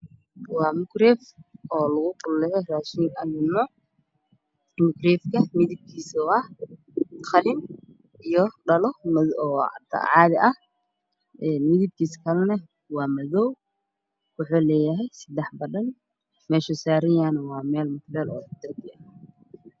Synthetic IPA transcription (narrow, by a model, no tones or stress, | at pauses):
wɑːmʊkrɛːfɔːlɐɣʊqʊlːɛjɛraːʃiːŋɐlɪmɔ | mʊkrɛːfkʰɐmɪðɪb̚kʰiːsɔɐh | qɑlɪn | ʔijɔɖɐlɔmɐɔ̰ːt̪ʰɐ̰ʕɑːðɪʔɐh | ʔɛːnmɪðɪb̚kʰiːskʰɐlɛnɐ | wɑːmɐðɔw | wʊħuːlɛːjɐɦɛjsɐd̪ɛħbɐɗɐn | mɛːʃʊsaːɾɐjaːnɐwɑːmɛːlmʊklɛːlɔːd̪̥ɐrk̪ʰɪɐ